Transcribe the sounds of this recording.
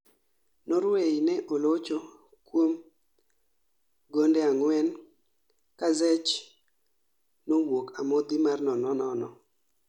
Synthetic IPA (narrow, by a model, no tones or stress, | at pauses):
noɾweinɛʔolot͡ʃo | kwom | ɡondɛaŋwɛn | kazɛt͡ʃ | nowokamod̪ɪmarnɔnɔnɔnɔ